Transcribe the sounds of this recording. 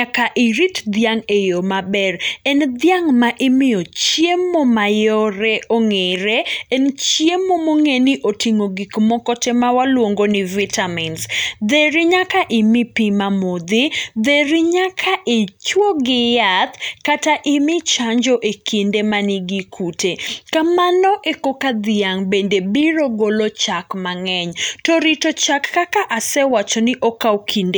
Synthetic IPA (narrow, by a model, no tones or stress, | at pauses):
akaʔɪɾitd̪jaŋejomabɛɾɛnd̪jaŋmaʔɪmɪjɔt͡ʃjemːomajɔɾɛʔoŋeɾeɛnt͡ʃjemomoŋenɪʔotiŋoɡikmɔkɔtɛmawalwoŋɡonɪvitʰaminsd̪eɾɪɲakaʔɪmɪpimamod̪ɪd̪eɾɪɲakʰaʔit͡ʃwoɡɪjat̪kataʔɪmɪt͡ʃaɲd͡ʒɔʔekindemanɪɡikʰutekamanɔʔekokad̪ɪaŋbendebiɾoɡolɔt͡ʃakmaŋɛɲtɔɾitot͡ʃakːakaʔasɛwat͡ʃɔnɪʔɔkawkʰinde